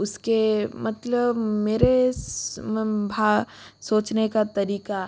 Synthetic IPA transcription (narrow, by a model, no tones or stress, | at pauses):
ʊskemɐt̪ləbmeːɾe | bʱaːsoːt͡ʃnekat̪ɐɾiːka